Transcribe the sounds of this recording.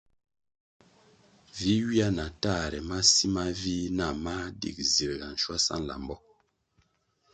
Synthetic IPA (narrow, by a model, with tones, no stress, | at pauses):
vi˦wi˦a˦na˨ta˦˨ɾɛ˨ma˦si˦ma˦vi˦na˨ma˦dḭ˨k̚zi˨ɾɡa˨n̩˨ʃwa˦sa̰˦˨n˨la̰˨mbɔ˦